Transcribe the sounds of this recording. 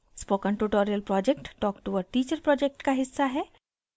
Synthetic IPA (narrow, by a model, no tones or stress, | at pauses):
spoːkə̃nʈuʈoːɾiəlpɾɔːd͡ʒek̚ʈːɔːkʈuʋəɖʈiːt͡ʃəɾpɾɔːd͡ʒek̚ʈkaɦɪsːaɦɛː